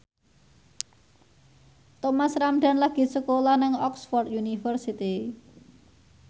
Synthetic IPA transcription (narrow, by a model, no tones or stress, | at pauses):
t̪ɔmasɾamɖ̥a̤nlaɡ̥i̤səkolɔnɪŋɔksfɔrt̪junifərsit̪i